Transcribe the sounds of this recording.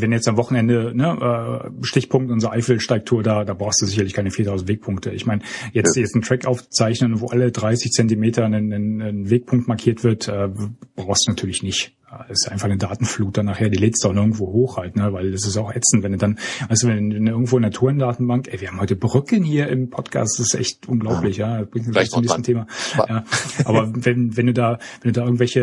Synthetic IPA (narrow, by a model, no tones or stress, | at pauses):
vɛnjɛt͡stamvɔχn̩ɛndənəʔɛːʃtɪçpʰʊŋk̚tʔʊnzʁəʔaɪfl̩ʃtaɪk̚tʰuːɐdaːdaːbʁaʊstd̥uːzɪçɐlɪçkʰaɪnəfiːɐtʰaʊzn̩tveːk̚pʰʊŋk̚tʰəɪ̰çmaɪnəjɛt͡stjɛt͡stn̩tʁ̥ɛkʔaʊft͡saɪçnənvoːʔalədʁaɪsɪçt͡sɛntimeːtɐnəənveːk̚pʰʊŋk̚tmaɐkʰiːɐtv̥ɪɐtʰʔɛːb̥ʁaʊxstd̥uːnatʰyːɐlɪçnɪçt | ɛːɪssʔa̰ɪnfaχnədaːtn̩fluːt̚d̥anaːχheːɐdiːleːstdanɪɐɡŋ̩tv̥oːɦoːxhaltnəvaɪldas̬ɪstjaʊxʔɛt͡sn̩vɛndudanvaɪstd̥uːvɛɛnʔɪɐɡŋ̩tvoːɪnɐtʰuːɐɪndaːtn̩baŋkʔɛviːɐhaːm̩hɔʏtəbʁʏkənhiːɐʔɪmpʰɔtkʰa̰ːstdasɪstʔɛ̰çtʔʊnɡlaʊplɪçjaːsb̥ʁɪŋtnatʰyːllɪçt͡sʊmnːçstn̩tʰeːmajaːʔaːbɐvɛnvɛnduːdaːvɛndudaːɪɡŋ̩vɛlçə